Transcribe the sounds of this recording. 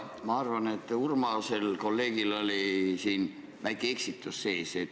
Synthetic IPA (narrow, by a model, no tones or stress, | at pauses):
mɑɑrvɑne̞t̪ːˑurmɑse̞lko̞lːe̞ːɡ̥ilo̞lisiːn | vækːeeksit̪ːˑusːe̞ːset̪